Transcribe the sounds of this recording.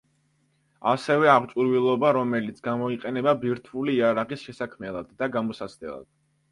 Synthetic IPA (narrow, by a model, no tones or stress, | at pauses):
asɛvɛaʁt͡ʃʼuɾvilˠɔbaɾɔmɛlit̪sʰɡamɔiqʼɛnɛbabiɾt̪ʰuliːaɾaʁisʃɛsakʰmɛlˠad̪ːaɡamɔsasd̪ɛ̰lˠa̰d̪̥